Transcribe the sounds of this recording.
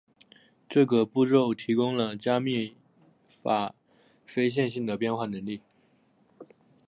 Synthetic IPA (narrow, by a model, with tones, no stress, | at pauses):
ʈ͡ʂɤ˥˩ɡə˩pu˥˧ʈ͡ʂo˥˩ʊt̪ʰi˧˥kʊ˥ŋlə˨t͡ɕja˥mi˥˩ | fa˨˩˦ | fe˥ɪɕ̬jɛ˥˧nɕi˥˩ŋd̪ə˩pjɛ˥˧nxwa˥˩nə˧˥ŋli˥˩